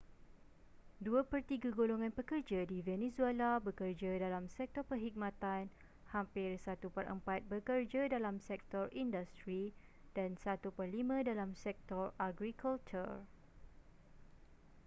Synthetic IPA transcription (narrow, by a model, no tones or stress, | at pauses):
duapərt̪iɡaɡoloŋãnpəkərd͡ʒadivɛnẽsuelabəkərd͡ʒadalamsɛk̚t̪ɔrpərɦik̚mãt̪an | hampɪrsat̪upərʔə̰mpat̪̚bəkərd͡ʒadalamsɛk̚t̪ɔrindast̪ɾi | d̥ansat̪upərlimə̃dalamsɛk̚t̪ɔraɡɾikʰɔlt͡ʃə̰ɹ